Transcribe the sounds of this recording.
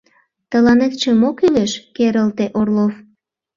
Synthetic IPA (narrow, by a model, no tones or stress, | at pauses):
t̪əlɑnet̪t͡ɕəmokyleʃkeɾəlt̪eʔorlof